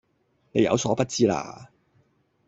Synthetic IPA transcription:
ne˨˧jɐ̰˨˧wsɔː˨˥pɐ˥t̚t͡siː˥la̰ː˧

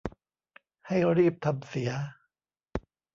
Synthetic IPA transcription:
ha˥˩jɾiː˥˩p̚t̪ʰa˧msi˩˦ɐ

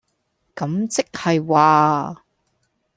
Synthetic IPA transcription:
kɐ˨˥mt͡sɪ˥k̚hɐ˨jwaː˨˧

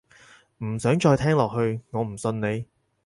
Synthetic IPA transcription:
m̩˨˩sœː˨˥ŋt͡ʃɔː˧jt̪ʰɛː˥ŋlɔː˨k̚hɵ˧ɥŋɔː˨˧m̩˨˩sɵ˧nne˨˧

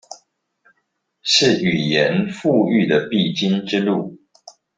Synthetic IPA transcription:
ʂɻ̩˥˨y˨˩jɛ˨˦nfu˥˧y˥˩d̪ə˩pi˥˨t͡ɕi˦nʈ͡ʂɻ̩˦lu˥˨

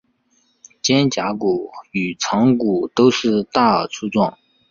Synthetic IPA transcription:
t͡ɕjɛ˥nt͡ɕja˧˥ku˨˩y˨˩ʈ͡ʂʰɑ˧˥ŋku˨˩t̪o˥ʊʂɻ̩˥˧t̪a˥˩˨t͡sʰu˥t͡swɑ˥˩ŋ

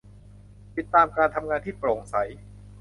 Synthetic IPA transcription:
t̪i˨˩t̪ːaː˧mkaː˧nt̪ʰa˧mŋaː˧nt̪ʰiː˥˩pɾoː˨˩ŋsa˩˦j

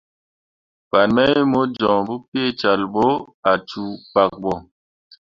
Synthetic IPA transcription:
ba˨nmɛ˦mo˨˦d͡ʒɔ̃˨bu˦pe˦˨t͡ʃa˨lbo˦ | a˨t͡ʃu˨k͡pa˨k̚bɔ˨

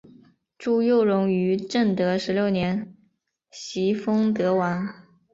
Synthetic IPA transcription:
ʈ͡ʂu˥˧jo˥˩ʊɻʊ˧˥ŋy˧˥ʈ͡ʂə˥˩nt̪ɤ˧˥ʂɻ̩˧˥ljo˥˩ʊnjɛ˧˥n | ɕi˧˥fɤ˥ŋt̪ɤ˧˥wa˧˥n

